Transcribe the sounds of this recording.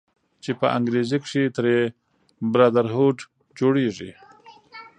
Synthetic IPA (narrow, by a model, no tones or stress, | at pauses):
t͡ʃepəʔa̰ŋɡɾezikʂit̪ɾe | bɾad̪aɾɦoʈ | d͡ʒoɽeʐḭ